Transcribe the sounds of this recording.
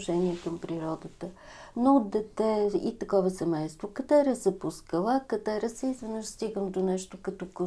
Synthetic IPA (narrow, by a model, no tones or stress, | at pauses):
ʒɛniɛkəmpɾiɾɔd̪ət̪ə | nood̪d̪ɛt̪ɛit̪ɐkɔvəsɛmɛjst̪vokɐt̪ɛɾɐzɐpuskəlˠakɐd̪ɛɾɐsɛizvɛnəʃst̪iɡəmd̪onɛʃt̪okɐt̪ɔko